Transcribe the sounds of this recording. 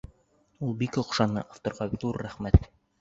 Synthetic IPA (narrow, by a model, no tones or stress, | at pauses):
ulˠbikŏqʃɑnɤ̰ʔɑft̪ŏɾʁɑðuɾːæχmæt̪